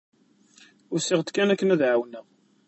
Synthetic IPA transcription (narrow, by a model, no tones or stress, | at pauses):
ʊɾsiʁt̪kːænækːənæðʕawnəʁ